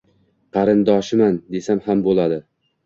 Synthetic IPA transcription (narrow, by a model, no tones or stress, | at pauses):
qʰɑɾɪnd̪ɒʃɪmand̪e̞samhambolˠad̪ɪ